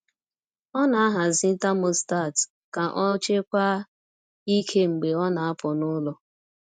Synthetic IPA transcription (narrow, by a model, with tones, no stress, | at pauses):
ɔ˦na˨a˦ɦa˨zi˦n̩˦ta˦mo˦sta˦˨t | ka˨ʔɔ˦t͡ʃe˦kʷa˦ | i˦kʰe˦ŋ͡m̩˨ɡ͡be˨ɔ˦na˨a˦pɔ˨nʊ˦lɔ˦